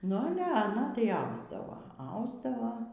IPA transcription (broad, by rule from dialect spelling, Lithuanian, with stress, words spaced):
nʊ ɐˈlʲɛ ɐˈnɐ tɐɪ ˈɐʊzdɐʋoː ˈɐʊzdɐʋoː